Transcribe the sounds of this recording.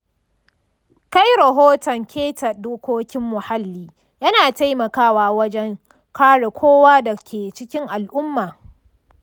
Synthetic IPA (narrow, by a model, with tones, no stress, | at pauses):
ka˦jɾɐ˨ɦoː˦tɔ˨ŋkʲʰeː˦tɐ˨doː˦kʷoː˦kʲɪ˦mːʊ˨ha˦lːiː˦ | jɐ˦naː˨ta˦jmɐ˨kaː˦waː˦wɐ˦d͡ʒɛ˦ŋ | kʰaː˦ɽe˨kʷoː˦waː˦da˨kʲʰeː˨t͡ʃɪ˦kʲɪ˦ŋʔa˨lʔʊ˦mːaː˨